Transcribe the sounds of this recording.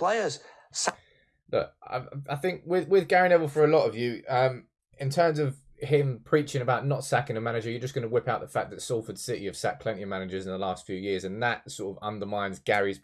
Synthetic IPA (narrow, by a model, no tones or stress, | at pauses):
pl̥eɪəz̥ | s | lʊ̰ka̰ɪaɪaɪθɪ̃ŋkwɪðwɪðɡæɹɪ̃nɛvəl̩ˠfəɹəlɒtəvjʉʌ̃m | ɪ̃ntʰɜ̃ːmzəv̥ | ɪ̃mpʰɹ̥iˑt͡ʃɪ̃ŋəbaʊʔⁿnətsakɪ̃ŋəmanɪd͡ʒəjəd͡ʒʌsɡ̥ʌnəwɪpaʊʔðəfak̚ðətsɔlˠfəd̥sɪtḭəv̥sa̰ʔkʰl̥ɛ̃nʔə̃manɪd͡ʒəzɪ̃nðəlɑˑstfjʉːjɪəzə̃nðətsɔɹtəvʌ̰̃ndəmãɪ̃nzɡ̥aɹiz